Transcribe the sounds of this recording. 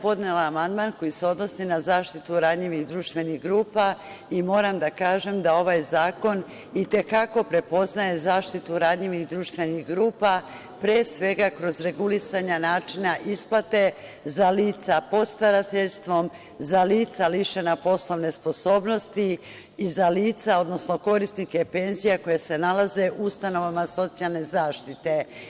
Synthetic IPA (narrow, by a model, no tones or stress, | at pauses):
po̞d̪nelaːmand̪manko̞jise̞o̞d̪no̞sinazaːʃt̪it̪uɾad̪ʎiʋiɣd̪ɾuːʃt̪ʋe̞niɣɡɾuːpa | imo̞ːɾamd̪akaːʒe̞md̪ao̞ʋajzaːko̞n | it̪e̞kako̞pɾe̞po̞znaje̞zaːʃt̪it̪uɾad̪ʎiʋiɣd̪ɾuːʃt̪ʋe̞niɣɡɾuːpa | pɾeːsʋe̞ɡakɾo̞zɾe̞ɡulisaɲanaːt͡ʃinaʔisplˠat̪e̞ | zaliːt̪sapo̞t̪st̪aɾat̪eʎst̪ʋo̞m | zaliːt̪saliʃenapo̞slˠo̞ʋne̞spo̞so̞ːbno̞st̪iː | zaliːt̪sao̞d̪no̞sno̞ko̞ɾisnike̞pe̞nzijako̞jese̞nalaze̞ʔuust̪ano̞ʋamaso̞t̪sijalˠne̞zaːʃt̪it̪e̞